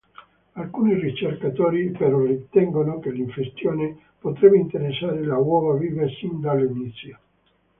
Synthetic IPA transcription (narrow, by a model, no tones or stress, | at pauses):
alkuːnirit͡ʃerkat̪oːɾipeɾɔrit̪ɛŋɡonokeliɱfest̪joːne | pot̪ɾɛbeint̪eɾesːaːɾelawɔːvaviːvesind̪alinit̪sja